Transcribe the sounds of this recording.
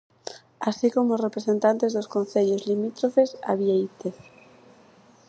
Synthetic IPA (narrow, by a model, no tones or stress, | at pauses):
asikomoozrepɾesẽnt̪ant̪ezðoskõnθeʎozlimit̪ɾofesa̰βjejt̪eθ